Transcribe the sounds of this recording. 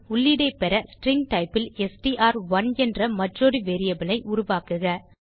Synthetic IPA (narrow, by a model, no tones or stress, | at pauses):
ʊɭːɪɽɐɪpɛɾɐsʈɾɪŋɡʈɐɪpːɪlɛsʈiʔaːɾʋɐnɛndrɐmɐʈroːɾɯʋeːɾɪjɐbɪlɐɪʔʊɾʊʋaːkɯɣɐ